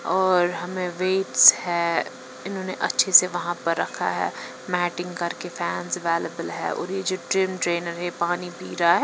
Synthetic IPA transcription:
ɔːɾɦɐmẽʋeːʈshɛː | ɪnɦõːneʔɐtːʃʰeseʋɐɦãpɐɾːɐkʰa̰ɦɛ̰ː | mɛːʈɪ̃ŋɡkɐɾkefɛːnzʋɛːləbəlɦɛ̰ːʔɔ̰ːɾjed͡ʒoːʈɾɪmʈɾeːnəɾɦɛpaːnipiːɾaɦɛ

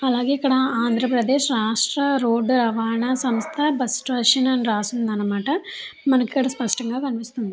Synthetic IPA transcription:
ɐlːaːɡeikːɐɽɐaːnd̪ʱɾɐpɾɐd̪eːʃɾaːʂʈɾɐɾoːɖɾɐʋaːɳɐsɐmst̪ʰɐbɐsʈʋɐʂɐnɐnɾaːsund̪aːnɐmaːʈɐmɐnɐkːikɐɽɐspɐʂʈɐŋɡaːkɐnpist̪und̪i

